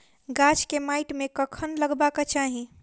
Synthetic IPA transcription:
ɡat͡ʃkemajʈmekəkʰənləɡbaket͡ʃaɦi

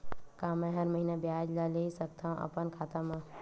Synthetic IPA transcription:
kãːmɛ̃ɦəɾməɦiːnebjaːd͡ʒlaleːisəkt̪aːɦũʔə̰pənkʰaːt̪amãː

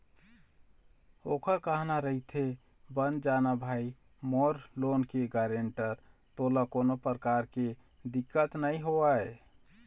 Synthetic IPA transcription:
okəɾkəɦnaɾəɦit̪ʰe | bənd͡ʒanabʱai | moɾlonkeɡaɾeɳʈəɾt̪olakonopɾəkaɾke | d̪ikːət̪nəiɦoae

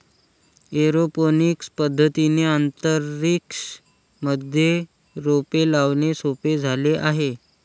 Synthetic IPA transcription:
eɾoponikspəd̪ʱːət̪ineant̪əɾiks | məd̪ʱje | ɾopelaʋnesoped͡zʱaleʔaɦe

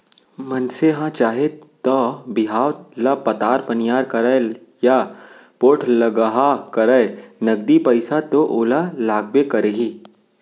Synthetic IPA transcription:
mɐnseɦãt͡ʃaːɦet̪ɔːbɪɦaːʋlapɐt̪aːɾpɐnjaːɾkɐɾə | ja | poːʈʰlɐɡaɦakɐɾəenɐɡ̚d̪ipəɪsat̪oʔoːlalaːɡ̚bekɐɾeɦiː

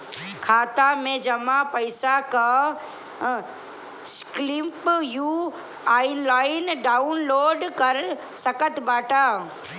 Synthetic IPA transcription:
kʰaːt̪amẽd͡ʒɐmapɐɪsaka | sklɪmpju | aːɪlaːɪnɖaːʊnloːɖkɐɾ | sɐkət̪baːʈaː

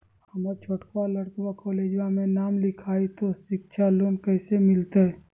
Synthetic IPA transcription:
hɐməɾt͡ʃʰoːʈkaləɽkwakoːleːd͡ʒwamẽnaːmlɪkʰaːit̪oʃɪk̚ʃʰaloːnkəɪsemɪlt̪eɦɛ

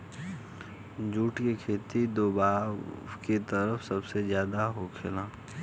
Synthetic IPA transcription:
d͡ʒuːʈkekʰeːt̪id̪oːbaːket̪əɾəfsɐbsezjaːd̪aɦokʰɪlãː

